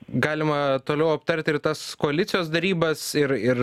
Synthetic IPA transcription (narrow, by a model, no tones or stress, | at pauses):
ɡɑːlʲɪmɐt̪oːlʲɛʊɐpt̪ɐɾʲt̪ʲɪrt̪ɐskoːɐlʲɪt̪sʲɪjoːsd̪ɐɾʲiːbɐsɪɾɪɾ